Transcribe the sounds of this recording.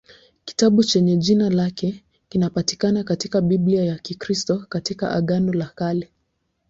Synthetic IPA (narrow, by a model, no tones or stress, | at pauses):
ki̥taɓut͡ʃɛɲɛʄinalakɛ | kinapati̥kanakatikaɓiɓliajakikɾistɔkatika̰ʔa̰ɠanɔlakalɛ